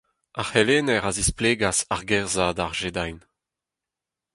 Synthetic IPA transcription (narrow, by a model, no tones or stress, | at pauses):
aχeleːnɛʁazispleːɡasaʁɡɛʁzad̪aʁʒed̪ajn